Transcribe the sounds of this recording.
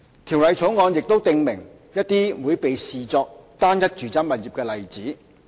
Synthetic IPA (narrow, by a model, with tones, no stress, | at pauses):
t̪ʰiː˨˩wlɐ˨˧jt͡sʰo˨˥wŋɔː˨˧njɪ˨k̚t̪o˥wt̪ɪ˧ŋmɪ̰˨˩ŋ | jɐ˥t̚t̪iː˥wuː˨˧jpe˨jsiː˨t͡sɔː˧k̚t̪aː˥njɐ˥k̚t͡ʃyː˨t͡sɐ˥nmɐ˨t̚jiː˨p̚kɛː˧lɐ˨jt͡siː˨˥